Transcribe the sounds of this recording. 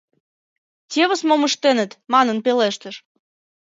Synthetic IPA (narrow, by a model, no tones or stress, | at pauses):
tʲeβə̆smoməʃt̪enə̆t̪mɑnənpeleʃt̪əʃ